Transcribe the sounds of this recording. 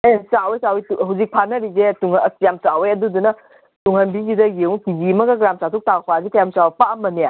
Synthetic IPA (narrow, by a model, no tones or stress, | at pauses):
sawejsawituɦawzik̚pʰanɐɾizetuŋsjamsawejɐdudunɐ | tuŋhɐnbizidɐjewkizimɐɡɐɡɾamsatʰuk̚takʰazikɐjamsawpaɐmːɐnija